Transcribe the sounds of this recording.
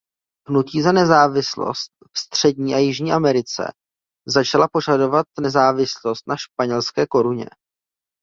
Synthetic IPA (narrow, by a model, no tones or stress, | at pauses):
ɦnuciːzanɛzaːvɪslo̰st̪̚fst̪r̝̥ɛdɲiːʔajɪʒɲiːʔamɛɾɪt͡sɛ̰ | zat͡ʃalapo̞ʒado̞vat̪̚nɛzaːvɪslo̞st̪̚naʃpaɲɛlskɛːko̞ɾuɲɛ̰